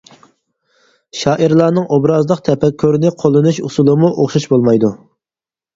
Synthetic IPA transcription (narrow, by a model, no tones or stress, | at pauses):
ʃɑːʔiɾlˠɑːnɨŋʔobɾɑzlˠəqt̪ʰɛpʰɛkʲʰːøɾnɪqʰolˠɨnuʃusulˠɨmuʔoχʃɑʃbolˠmɑjd̪u